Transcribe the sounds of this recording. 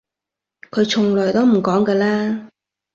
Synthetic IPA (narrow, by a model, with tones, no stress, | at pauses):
kʰɵ˨˧ɥt͡sʰʊ˨˩ŋlœː˨˩jt̪ɔː˥m̩˨˩kɔː˨˥ŋkɛː˧laː˥